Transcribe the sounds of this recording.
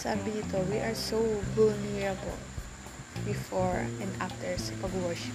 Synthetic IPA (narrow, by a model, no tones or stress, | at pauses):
saːbɪɪt̪owiʔaɹsowvʊlnɛɹɐbɔ̰l | bɪfɔɹʔɛ̃nd̪ʔaft̪ɛɹsɐpɐɡwaʃ